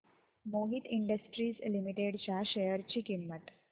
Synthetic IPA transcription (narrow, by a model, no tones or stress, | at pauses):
moɦit̪iɳɖəsʈɾiːslimiʈeɽt͡ɕjaɕejəɾt͡ɕiːkimːəʈ